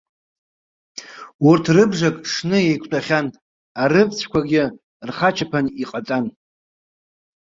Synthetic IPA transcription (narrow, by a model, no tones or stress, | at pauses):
urtʰrɨbʐakʼʂnɨejkʷʰtʷʼaχʲan | aɾɨpt͡sʷʰkʷaɡʲɪ | rχat͡ʃʰapʰaniqʼat͡sʼan